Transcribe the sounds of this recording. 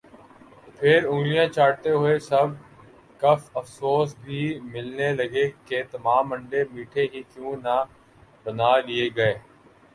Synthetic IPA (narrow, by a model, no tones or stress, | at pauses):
pʰɪɾʊ̃ŋɡlijãːt͡ʃaːɽt̪eɦʊesɐb̚ | kɐfəfsoːsbʱiːmɪlneləɡeket̪ɐmaːmːə̃ɳɖemiːʈʰeɦiːkjũːna | bənaːlɪeɡɐeː